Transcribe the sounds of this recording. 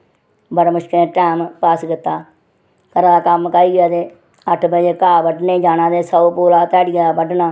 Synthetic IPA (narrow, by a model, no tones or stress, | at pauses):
bəɽməʃkẽːʈɛːmpaːskɪt̪ːaː | kəɾãːd̪aːkəmkəiːɡaːd̪eː | əʈʰbəd͡ʒeːkaːbəʈneːd͡ʒaːnãːd̪eːsəopoːlaːt̪ɛːɽɪjaːaːbəɖnaː